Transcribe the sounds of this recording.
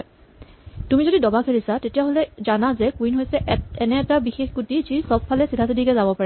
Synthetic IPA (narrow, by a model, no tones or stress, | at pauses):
tumizodidɔbakʰeɹisatetijaɦolɛzanazɛkwinɦojsɛɛnɛːtabixexɡutizisɔb̚fʰalɛsidʰʱasidikɛzabɔpaɹɛ